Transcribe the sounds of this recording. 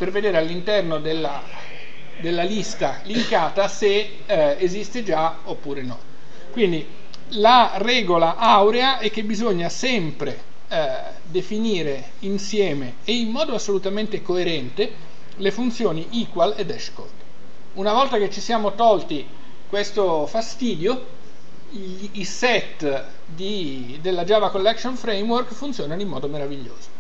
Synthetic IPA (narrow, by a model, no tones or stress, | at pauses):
perved̪eːɾealːint̪ɛrnod̪elːa | d̪elːalist̪aliŋkaːt̪ase | ezist̪ed͡ʒa | opːuːɾenɔ | kwind̪i | larɛːɡolaʔawɾeaɛk̟ːebizoɲːasɛmpɾe | d̪efiniːɾe | insjɛːmeːimːɔːd̪oasːolut̪ament̪ekoeɾɛnt̪e | lefunt̪sjoːniʔiːkwaled̪ɛʃko̰d̪ | unavɔlt̪aket͡ʃːisjaːmot̪ɔlt̪i | kwest̪ofast̪iːd̪jo | sɛt̪ː | d̪i | d̪elːad͡ʒaːvakolːɛksonfɾejmworkfunt̪sjoːnanoimːɔːd̪omeɾaviʎːo̰ːz̥o̥